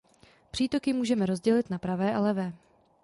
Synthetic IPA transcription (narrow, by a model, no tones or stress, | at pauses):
pr̥iːt̪o̞kɪmuːʒɛmɛɾo̞zɟɛlɪt̪napɾavɛːʔalɛvɛː